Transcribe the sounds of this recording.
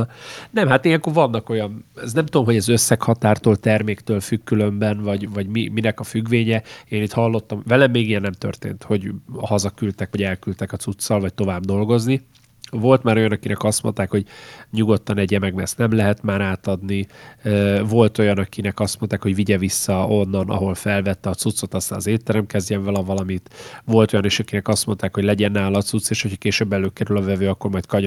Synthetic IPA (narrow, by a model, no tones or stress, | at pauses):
nɛmhat̪ijɛŋkoːrvɒnːɒko̞jɒnɛsnɛmt̪ud̪omɦo̞ɟɛzøsːɛkhɒt̪aːrt̪oːlt̪ɛrmeːkt̪øːlfykːylø̞mbɛnvɒɟvɒɟmiminɛkɒfyɡʋeːɲɛeːnit̪hɒlːo̞t̪ːɒmvɛlɛmːeːɡijɛnːɛmt̪ø̰rt̪ḛːnt̪ho̞ɟhɒzɒkylt̪ɛkʋɒɟɛlkylt̪ɛkɒt̪sut̪sːɒlvɒct̪o̞vaːbd̪o̞lɡo̞zni | vo̞lt̪maːɾo̞jɒnɒkinɛkɒst̪mo̞̰nt̪aːkho̞ɟɲuɡo̞t̪ːɒnɛɟɛmɛɡmɛrsnɛmlɛɦɛt̪maːɾaːt̪ɒd̪niøːvo̞lt̪o̞jɒnɒkinɛkɒst̪mo̞nt̪aːkho̞ɟviɟɛvisːɒo̞nːɒnɒ̰ɦo̞lfɛlvɛt̪ːɛɒt̪sut̪so̞t̪ɒst̪aːnɒzeːt̪ːɛɾɛmkɛzɟɛɱvɒlɒvɒlɒmit̪vo̞lt̪o̞jɒneːʃɒkinɛkɒst̪mo̞nt̪aːkhoɟlɛɟɛnːaːlɒt̪sut̪sːeːʃho̞cʰhɒkeːʃøːbːɛløːkɛɾylɒvɛvøːɒkːo̞rmɒjt̪kɒɲ